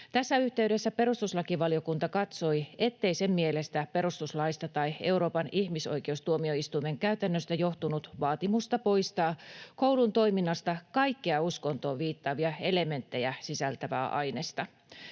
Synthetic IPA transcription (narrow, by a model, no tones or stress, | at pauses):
t̪æsːæyht̪e̞yɾe̞sːæpe̞ɾust̪uslɑkiʋɑlio̞kunt̪ɑkɑt̪so̞iet̪ːe̞ijse̞mːiele̞st̪æpe̞ɾust̪uslɑist̪ɑt̪ɑie̞wɾo̞ːpɑniçmiso̞̰ik̟eust̪uomio̞ist̪uime̞ŋkæyt̪ænːøst̪æjo̞ht̪unut̪ʋɑːt̪imust̪ɑpo̞ist̪ɑːko̞uwlunt̪o̞iminːɑst̪ɑkɑikːeɑusko̞nt̪o̞ːʋiːt̪ːɑːʋiɑe̞le̞me̞nt̪ːe̞jæsisælt̪æʋæ̰ːʔɑ̰jne̞st̪ɑ